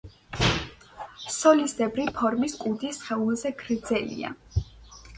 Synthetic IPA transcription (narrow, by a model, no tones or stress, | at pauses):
sɔlisd̪ɛbɾipʰɔɾmiskʼud̪isχɛulˠzɛɡɾd̪zɛlḭa̰